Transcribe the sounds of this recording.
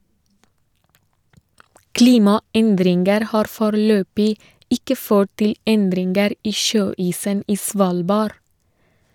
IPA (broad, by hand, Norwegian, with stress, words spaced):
ˈkliːmɑˌɛndɾɪnɡəɾ ˈhɑːɾ ˈfoːɾəˌløːbɪ ˈɪkə ˈføːʈ ˈtɪl ˈɛndɾɪnɡəɾ ˈiː ˈʃøːiːsən ˈiː ˈsʋɑːlbɑɾ